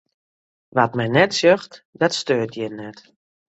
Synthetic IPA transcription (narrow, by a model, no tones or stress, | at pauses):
ʋatmɛjnɛtsøxtdɔtstøːtʰjɛnɛt